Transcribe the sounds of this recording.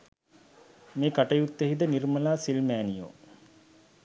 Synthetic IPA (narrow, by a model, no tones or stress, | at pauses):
meːkaʈəjut̪ːeɦid̪ənirməlaːsilmæːnijo̰